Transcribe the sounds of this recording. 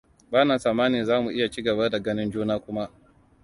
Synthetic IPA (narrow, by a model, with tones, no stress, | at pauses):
baː˦naː˨saː˨maː˦niː˨zaː˦mu˨ʔɪ˦ja˨t͡ʃiː˦ɡɐ˨ba˦da˨ɡɐ˦nɪ˦nd͡ʒuː˦naː˦kʷʊ˦ma˦ʔ